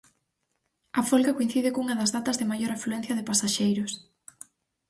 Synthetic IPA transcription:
ɐfolɣakoin̟θiðɪkuŋɐðɐzðat̪ɐzðɪmajoɾafluɛn̟θjɐðɪpasaʃejɾʊs

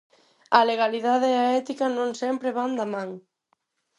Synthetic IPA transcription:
ɐleɣ̞aliðaðeaɛt̪ikɐnõŋsɛmpɾeβand̪amãŋ

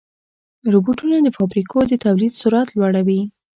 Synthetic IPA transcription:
ɾubuʈunad̪əfɑbɾikʰod̪ət̪awlid̪suɾat̪lwaɽawi

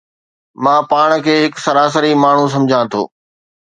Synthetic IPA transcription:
mãːpaːɽ̃kʰeːɦɪksɐɾaːs̬əɾimaːɳ̤ũs̬ɐ̃md͡ʑʱãt̪ʰo̰ː

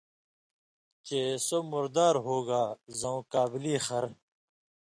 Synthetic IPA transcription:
t͡ɕeːsomʊɾd̪aːɾɦoːɡaːzɐ̃ũkaːbiliːxɐɾ

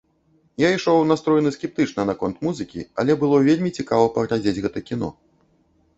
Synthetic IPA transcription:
jaiʂɔwnast̪ɾɔjnɨsʲkʲɛp̚t̪ɨt͡ʂnɐnakɔnt̪muzɨkʲḭɐ̰lʲɛbɨlˠɔvʲelʲmʲit͡sʲikavɐpɐɣlʲad͡zʲed͡zʲɣɛt̪ɐkʲin̪ɔ̰

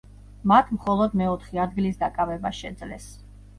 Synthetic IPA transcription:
mat̪ʰmχɔlˠɔd̪mɛɔt̪ʰχiad̪̚ɡilisd̪akʼavɛbaʃɛd̪zlɛ̰s

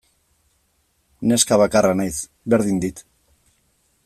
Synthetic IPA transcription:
ne̞skaβakaranajs | βe̞ɾðind̪it̪

